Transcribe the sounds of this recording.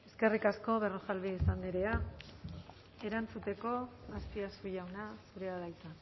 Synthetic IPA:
e̞ske̞rikasko̞βe̞roxalβiisand̪iɾe̞a | e̞ɾant͡sut̪e̞ko̞aspiasujawnasuɾe̞aðajt͡s̪an

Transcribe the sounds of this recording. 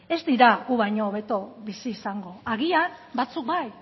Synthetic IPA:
e̞zd̪iɾaɣuβajɲoːβe̞t̪o̞βisiːsaŋɡo̞aɣianbat͡suk̚baj

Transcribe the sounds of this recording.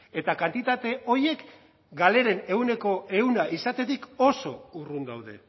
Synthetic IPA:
e̞t̪akant̪it̪at̪e̞ʔo̞ɾje̞k | ɡale̞ɾe̞ne̞wne̞ko̞e̞unaʔisat̪e̞t̪iko̞so̞urund̪awðe̞̰

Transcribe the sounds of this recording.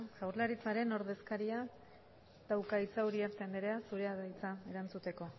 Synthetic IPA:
ʝawɾlaɾit͡saɾe̞no̞ɾðe̞skaɾia | t̪awkait͡sauɾiaɾt̪end̪eɾeasuɾe̞aðajt͡sae̞ɾant͡sut̪e̞ko̞

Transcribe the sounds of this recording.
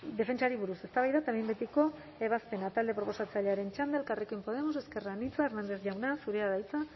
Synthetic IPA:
d̪e̞fe̞nt͡ʃaɾiβ̞uɾuse̞st̪aβajðat̪aembet̪iko̞ | e̞β̞aspe̞nat̪ald̪e̞pɾo̞po̞sat͡saʎe̞aɾe̞nt͡ʃand̪aelkarikoijmpo̞ð̞e̞mos̬e̞ske̞ranit͡s̪uaeɾnand̪e̞zʝawnasuɾeaðajt͡sa

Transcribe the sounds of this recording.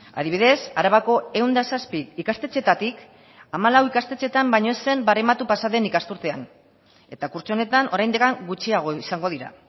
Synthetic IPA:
a̰ðiβ̞iðe̞saɾaβako̞e̞wnd̪asaspiːkast̪e̞t͡se̞t̪at̪ik | amalawikast̪e̞t͡se̞t̪ambajɲo̞ese̞mbaremat̪upasaðe̞nikast̪uɾt̪e̞an | e̞t̪akuɾt͡sone̞t̪anʔo̞ɾajnd̪ekaŋɡut͡ʃiaɣ̞o̞isaŋɡo̞ðiɾa̰

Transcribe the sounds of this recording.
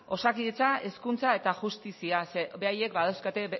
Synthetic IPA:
o̞sakiðet͡sae̞skunt͡sae̞t̪aʝust̪isiasebe̞aje̞kbaðawskat̪e

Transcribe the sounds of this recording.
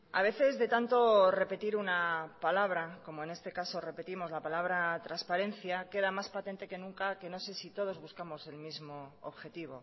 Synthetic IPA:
a̰β̞e̞θe̞zðe̞t̪ant̪o̞re̞pe̞t̪iɾunapalaβ̞ɾako̞moe̞ne̞st̪e̞kaso̞re̞pe̞t̪imo̞zlapalaβ̞ɾat̪ɾaspaɾe̞n̟θjake̞ðamaspat̪e̞nt̪e̞ke̞nũŋkake̞nose̞sit̪o̞ð̞o̞zβuskamo̞se̞lmizmo̞o̰βxe̞t̪iβo̞̰

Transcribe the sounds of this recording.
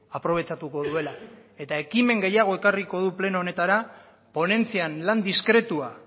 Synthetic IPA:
apɾo̞β̞e̞t͡ʃat̪uko̞ðue̞lae̞t̪ae̞kime̞ŋɡe̞jaɣ̞o̞e̞kariko̞ðuple̞noːne̞t̪aɾa | po̞ne̞nt͡sianland̪iskɾe̞t̪ua

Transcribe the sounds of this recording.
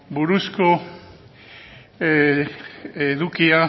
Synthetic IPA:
buɾusko | eðukia

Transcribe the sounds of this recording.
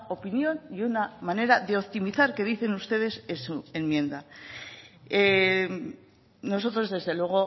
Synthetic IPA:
o̞pinjo̞niunamane̞ɾaðe̞opt̪imiθaɾke̞ðiθe̞nust̪e̞ðe̞sesue̞nmjẽ̞nd̪a | e | no̞so̞t̪ɾo̞zðe̞zðe̞lwe̞ɣ̞o̞

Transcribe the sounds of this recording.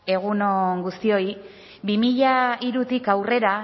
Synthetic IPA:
e̞ɣ̞unoŋɡust̪io̞j | bimiʎaiɾut̪ikawre̞ɾa

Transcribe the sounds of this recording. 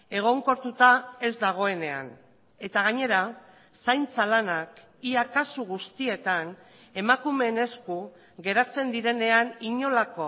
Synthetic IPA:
e̞ɣ̞o̞ŋko̞ɾt̪ut̪ae̞zd̪aɣ̞o̞e̞ne̞a̰n | e̞t̪aɣ̞aɲe̞ɾa | sajnt͡salanak | iakasuɣ̞ust̪ie̞t̪an | e̞makume̞ne̞sku | ɡe̞ɾat͡se̞nd̪iɾe̞ne̞aniɲo̞lako̞

